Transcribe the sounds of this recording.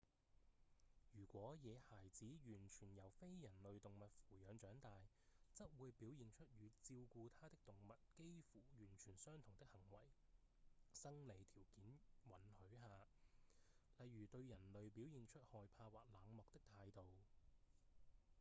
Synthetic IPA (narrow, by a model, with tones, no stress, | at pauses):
jyː˨˩kʷɔː˨˥jɛː˨˧haː˨˩jt͡siː˨˥jyː˨˩nt͡ʃʰyː˨˩njɐ˨˩wfe˥jːɐ˨˩nlɵ˨ɥt̪ʊ˨ŋmɐ˨t̚fuː˨˩jœː˨˧ŋt͡ʃœː˨˥ŋt̪aː˨j | t͡sɐ˥t̚wuː˨˧jpiː˨˥wjiː˨˧nt͡ʃʰɵ˥t̚jyː˨˧t͡siː˧wkuː˧t̪ʰaː˥t̪ɪ˥k̚t̪ʊ˨ŋmɐ˨˩t̚ke˥jfuː˨˩jyː˨˩nt͡ʃʰyː˨˩nsœː˥ŋt̪ʰʊ˨˩ŋt̪ɪ˥k̚hɐ˨˩ŋwɐ̰˨˩j | sɐ˥ŋle˨˧jt̪ʰiː˨˩wkiː˨˥nwɐ˨˥nhɵ˨˥ɥɦaː˨˧ | lɐ˨jɥyː˨˩t̪ɵ˧ɥjɐ˨˩nlɵ˨ɥpi˨˥wjiː˨˧nt͡ʃʰɵ˥t̚hɔː˨jpʰaː˧waː˨k̚laː˨˧ŋmɔː˨k̚t̪ɪ˥k̚t̪ʰaː˧jt̪o˨w